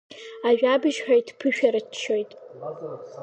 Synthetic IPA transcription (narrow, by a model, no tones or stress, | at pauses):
aɥᶣabɨʒħᶣajtʰpʰɨʃᶣaɾɨtʰt͡ʃʰːojtʼ